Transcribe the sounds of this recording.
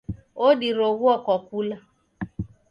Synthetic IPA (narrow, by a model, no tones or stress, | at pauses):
odiɾoɣwɔkɔkula